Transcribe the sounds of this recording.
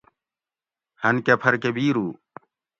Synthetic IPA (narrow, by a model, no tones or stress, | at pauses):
hɐnkɐpʰɐɾkebiːɾuː